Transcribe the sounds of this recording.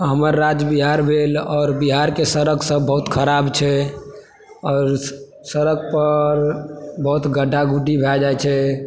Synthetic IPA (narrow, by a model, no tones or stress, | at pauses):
ɦəməɾːad͡ʒbiɦaɾbʱelɔːɾbiɦaɾkesəɾəksə̃bəɦut̪kʰəɾabt͡ʃʰɛ | ɔːɾ | səɾək̚pəɾbəɦut̪ɡəɖaɡuʈibʱɛd͡ʒajt͡ʃʰɛ